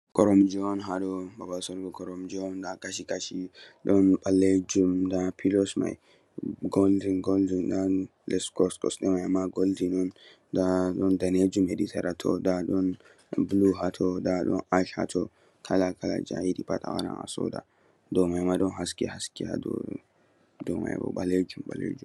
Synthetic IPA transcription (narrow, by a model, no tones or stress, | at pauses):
kɔɾɔmd͡ʒɔnɦadɔbabasɔɾɡɔkɔɾɔmd͡ʒɔɔndakaʃikaʃiɗɔnɓalːed͡ʒumdapʰilɔsma̰j | ɡoldinɡoldinda | lɛskɔskɔ̰sɗɛmajamːaɡoldinɔn | daɗɔndaned͡ʒumheditʰɛɾatʰɔ̰daɗɔn | bluɦatʰɔdaɗɔ̰naʃha̰tʰɔ | kʰalakʰala̰d͡ʒa̰idipatʰa̰wa̰ɾa̰na̰sɔ̰da̰ | dɔmajmaɗɔnɦaskɛ̰haskiha̰dɔ̰ | dɔma̰jbɔ̰ɓaled͡ʒumɓa̰lḛd͡ʒum